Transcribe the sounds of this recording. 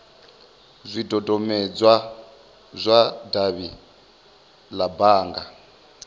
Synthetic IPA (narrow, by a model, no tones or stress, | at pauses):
zʷidɔdɔmɛd͡zwa | zʷadaβi | labaːŋɡa